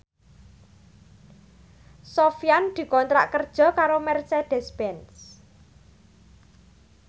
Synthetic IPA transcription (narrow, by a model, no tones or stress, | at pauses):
sɔfjand̪̥i̤kɔnt̪ɾa̰ʔkərd̥ʒ̥ɔ̤kaɾomɛrsɛd̪̥ɛspɛns